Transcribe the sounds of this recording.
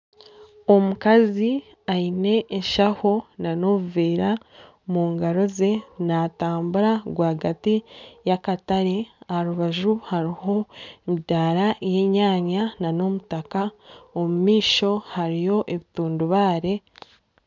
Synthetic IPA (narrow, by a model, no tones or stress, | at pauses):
o̞mukazi | aine̞ːʃaho̞nano̞βuviːɾa | muːŋɡaɾo̞ze̞nataːmbuɾaɡwaːɡatijakataɾeahaɾuβaʒuhaɾiho̞midaːɾaje̞ːɲaːɲanano̞mutakaomumiːʃo̞haɾijo̞ʔeβituːnduβaːɾe̞